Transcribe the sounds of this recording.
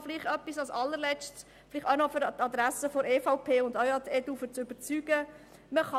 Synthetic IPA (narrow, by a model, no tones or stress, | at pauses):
fliχtœpːisɑsɑlːəɾlɛt͡st | flɪχtœnɔfyɾt̪ɑd̪ɾæsəfɔɾeːfɑʊpʰeːʊnd̪œwɑt̪ɛdufəɾt͡sʏb̥əɾt͡syːɡ̥ə | məχɑ